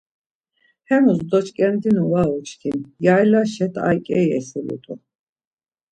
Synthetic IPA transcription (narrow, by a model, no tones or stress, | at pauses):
hɛmusd̪ɔt͡ʃʰʼkʼɛnd̪inuwaɔt͡ʃʰk̪ʰinjajlaʃɛt̪ʰa̰jkʼɛjɛ̰silṵt̪ʼṵ